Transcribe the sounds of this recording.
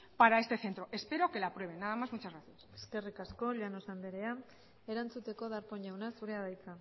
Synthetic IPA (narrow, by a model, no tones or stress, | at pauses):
paɾae̞st̪eθent̪ɾo̞ʔe̞spe̞ɾo̞ke̞lapɾwe̞βe̞nːaðamazmut͡ʃazɣɾaθjase̥ske̞rikasko̞ʎanosand̪eɾe̞a | e̞ɾant͡sut̪e̞ko̞ðaɾpo̞ɲʎawnasuɾe̞aðajt͡sa